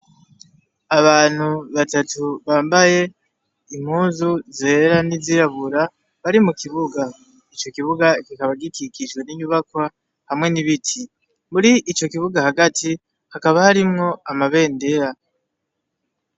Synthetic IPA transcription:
aβaːn̥huβatatuβaːmbaje̞ | im̥huːzuzeɾaniziɾaβuɾa | βaɾimukiβuɡa | it͡ʃo̞kiβuɡakikaβaɡikikiʃɡwe̞niɲuβakwa | hamŋe̞niβitʰi | muɾiʔit͡ʃo̞kiβuɡahaɡatʰi | hakaβahaɾimŋo̞amaβe̞ːnde̞ɾa

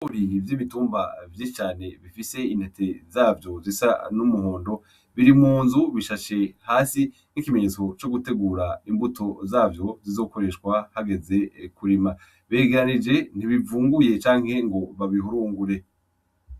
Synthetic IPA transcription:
uɾiɾivjiβituːmbavjit͡ʃaːne̞βifise̞in̥he̞tʰe̞zaːvjo̞zisa̰numuho̞ːndo̞ | βiɾimuːnzuβiʃaʃe̞haːsi | nikimeɲe̞ːt͡so̞t͡ʃo̞ɡute̞ɡuːɾaimbutʰo̞zaːvjo̞zizo̞ːko̞ɾe̞ʃkwahaɡe̞ze̞kuɾima | βeːɡeɾanid͡ʒe̞n̥iβivuːŋɡuje̞t͡ʃaːŋhe̞ŋɡo̞βaβiɦuɾuːŋɡuɾe̞

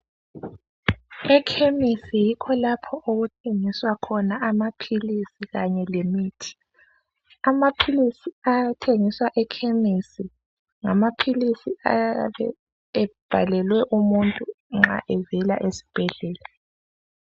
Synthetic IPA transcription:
ɛkʰemisijikʰɔlapʰɔʔoɣutʰeŋiswakʰɔnaʔamapʰilisiɣaɲɛlemiːtʰi̥ | amapʰilisiatʰeŋiswaʔɛkʰemisi | ŋamapʰilisiaβɛ̰ː | b̥ʱalɛlwɛʔumuntʼu | ŋ͡ǁa̰ʔɛvɛla̰ʔesi̥b̥ʱɛɮɛːla

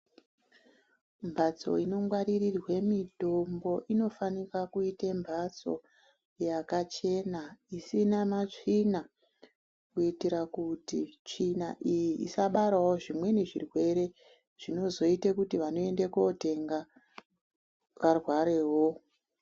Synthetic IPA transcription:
mbʱat͡so̞̰ino̞ŋɡwaɾirirwe̞mito̞mbo̞ʔino̞fanirakuitembʱat͡so̞̰ | jakat͡ʃe̞naisinamat͡ʂina | kuitiɾakutit͡ʂinaʔijiʔḭsaɓaɾawo̞ʐimwe̞neʐirwe̞ɾe̞ | ʐ̥ino̞zo̞itekutiʋano̞e̞ndekote̞ŋɡa | ʋarwaɾe̞ːɦo̞

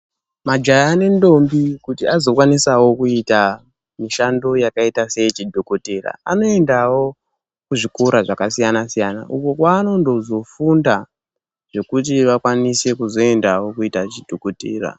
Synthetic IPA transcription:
mad͡ʒajːne̞ndo̞mbikutiazo̞kwanisawo̞kuita | miʃando̞jakaitase̞it͡ʃidʱoko̞te̞ra̰a̰no̞e̞ndawo̞ | kuʐikoɾaʐakasijanasijana̰ʔuko̞kwaːno̞ndo̞zo̞funda | ʐe̞kut̬iʋakwanise̞kuzo̞e̞ndawo̞kuitat͡ʃid̥ʱokotḛːra̰

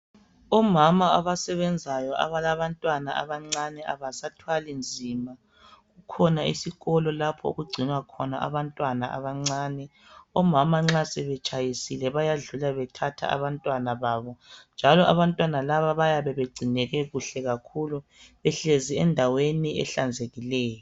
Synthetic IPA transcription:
ɔmamaaβasɛβɛnd͡zʱajɔʔa̰βalaβantʼwanaʔa̰βaŋ͡ǀanɛʔa̰βasatʰwalind͡zʱima | ɣukʰɔnaḭsiɣɔlɔlapʰɔ̰o̰ɣuɡ͡ǀʱinwakʰɔna̰ʔa̰βantʼwanaʔa̰βaŋ͡ǀaːnɛ | ɔmamaŋ͡ǁasɛβɛt͡ʃʼajisilɛβajaɮulaβɛtʰatʰa̰a̰βantʼwanaβaːβɔnd͡ʒʱalɔʔaβantʼwanalaβaβajaβɛβeɡ͡ǀʱinɛɣɛɣuɬɛɣakʰulu | βɛɬeziɛndʱaweniʔɛ̰ɬand͡zʱeɣilɛːjɔ

